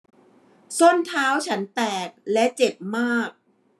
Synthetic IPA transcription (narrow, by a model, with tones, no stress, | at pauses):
so˥˩nt̪ʰaː˦˥wt͡ɕʰa˦˥nt̪ɛː˨˩k̚lɛ˦˥t͡ɕe˨˩p̚maː˥˩k̚